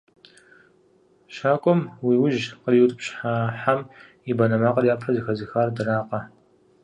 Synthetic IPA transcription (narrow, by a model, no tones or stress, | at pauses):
ʃaːkʷʼɔmwiːwʊʒqərjiwtʼɨpɕħaħam | ibɐnɐmaːqɐrjaːpʰɐzɨxɐzɨxaːrdɨraːqɐ